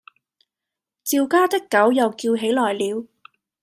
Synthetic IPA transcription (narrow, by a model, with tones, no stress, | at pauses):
t͡siː˧wkaː˥t̪ɪ˥kːɐ˨˥wjɐ˨wkiː˧wɦe˨˥jlɔː˨˩jliː˨˧w